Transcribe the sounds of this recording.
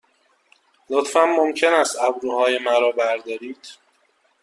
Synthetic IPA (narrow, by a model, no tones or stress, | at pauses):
lot̪fænːomcʰe̞næst̪æbɾuːhɒːjemæɾɒːbæɾd̪ɒːɾiːd̪̥